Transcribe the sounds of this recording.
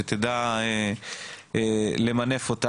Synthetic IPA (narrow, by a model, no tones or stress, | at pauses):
et̪ed̪ae | lemane̞fot̪a